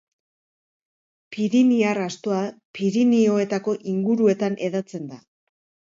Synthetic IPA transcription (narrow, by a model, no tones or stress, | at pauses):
piɾiniarast̪oapiɾinio̞e̞t̪ako̞ʔiŋɡuɾue̞t̪anʔe̞ðat͡se̞nd̪a